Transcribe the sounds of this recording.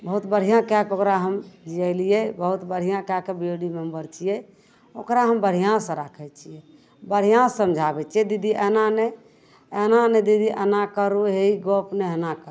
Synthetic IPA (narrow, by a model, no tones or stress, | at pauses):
bəɦut̪bəɽ̤ijãkɛkokɾaɦəmd͡ʒiɛlijɛbəɦut̪bəɽ̤ijãkɛkebioɽimembəɾt͡ʃʰijɛ | okɾaɦəmbəɽ̤ijãsə̃ɾakʰɛt͡ʃʰijɛ | bəɽ̤ijãsəmd͡ʒʱabɛt͡ʃʰiɛd̪id̪ʱiʔɛnanɛ | ɛnanɛd̪id̪ʱiʔɛ̰nakəɾuɦeiɡopneɦɛnakəɾ